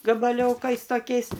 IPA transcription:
ɡɐbɐˈlʲoːkɐɪs toːˈkʲɛɪs

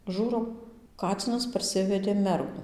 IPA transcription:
ˈʒuːrɐʊ ˈkɑːt͡sʲɪnɐs pɐrʲˈsʲɪʋʲɛdʲeː ˈmʲɛrɡʊ

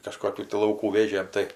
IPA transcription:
kɐˈʃkoːkʲuː tʲɪ lˠɐʊˈkuː ˈʋʲeːʒʲeːm ˈtɐɪ

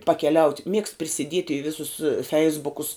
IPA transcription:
pɐkʲɛˈlʲɛʊtʲ mʲiɛkst pʲrʲɪsʲɪˈdʲiɛtʲ ɪ ˈʋʲɪsʊs ˈfʲɛɪzbʊkʊs

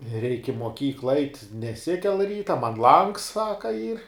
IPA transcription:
rʲɛɪkʲ ɪ moːˈkʲiːklˠɐ ɐɪtʲ nʲɛˈsʲɪkʲɛlˠ ˈrʲiːtɐ mɐn lˠɐŋks ˈsɑːkɐ iːr

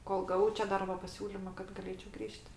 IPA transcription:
ˈkoːlˠ ɡɐˈʋɐʊ t͡ʃʲɛ ˈdɐrboː pɐˈsʲuːlʲɪmɐ kɐt ɡɐˈlʲeːt͡ʃʲɛʊ ˈɡrʲiːʃʲtʲ

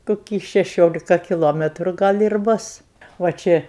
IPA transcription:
koːˈkʲiː ʃʲɛˈʃʲoːlʲɪkɐ kʲɪˈlˠoːmʲɛtrʊ ˈɡɐlʲ ɪr ˈbʊs ʋɐ ˈt͡ʃʲɛ

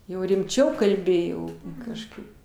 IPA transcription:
ˈjɛʊ rʲɪmʲˈt͡ʃʲɛʊ kɐlʲˈbʲɪ jɛʊ kɐʃˈkɐɪp

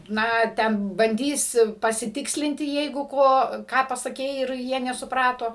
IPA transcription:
ˈnɐ tʲɛn bɐnʲˈdʲiːs pɐsʲɪˈtʲɪksʲlʲɪnʲtʲɪ ˈjɛɪɡʊ ˈkoː ˈkɑː pɐsɐˈkʲɛɪ ɪr ˈjiɛ nʲɛsʊˈprɑːtoː

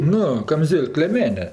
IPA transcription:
ˈnʊ kɐmʲˈzʲeːlʲk lʲeːˈmʲæːnʲɛ

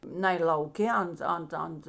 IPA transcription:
ˈnɐɪ lˠɐʊˈkʲeː ˈɐnt ˈɐnt ˈɐnt

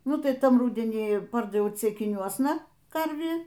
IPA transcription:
ˈnʊ tɐɪ ˈtɐm ˈrʊdʲɛnʲiː ˈpɐrdɐʋʲɛʊ t͡sʲɛɪkʲɪˈnʲuɔsnɐ ˈkɐrʲʋʲiː

